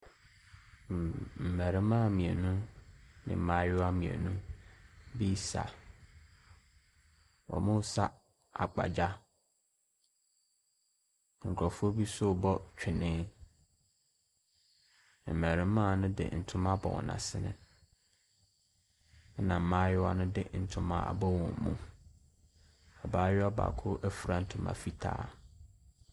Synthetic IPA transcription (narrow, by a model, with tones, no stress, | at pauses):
m˨m̩˨mæ˨ɾɪ̃˦mã˦˨mĩ˨ɛ˨nũ˦nɪ̰̃˨m˨mã˦jʊ˦a˦mĩ˨ɛ̰˨nũ˦ | bi˦sa̰˨ | wɔ̰˨mʊ̃˦sa˦ | a˨k͡pa̰˨d͡ʑa˦ | ŋ̩˨kʰɔ˨fu˦o˦bi˦sʊ˦˨bɔ˦t͡ɕᶣʰɪ˨nɪ̃˦ | ɛ˨m˨æ˨ɾɪ̃˨˦mã˦˨nʊ̃˦dɪ̰˨n̩˨tʰʊ̃˦mã˦bɔ̰˨wɔ̰̃˨nã̰˨sɪ˦nɪ̰̃˦ | ɛ˦nã˨m̩˨mãː˦jɛ˦wɔ˨˦nʊ̃˦dɪ̰˦˨n̩˨tʰʊ̃˦mã̰˨a̰˨bɔ˦wɔ̃˨m˨mṵ̃˦ | a˨baː˦ɥɪ˦ɔ˦ba̰ː˨kʰʊ˦ʔæ˦fu˨ɾa˨n̩˨tʰʊ̃˨mã̰˨fi˦tʰa̰ː˨˦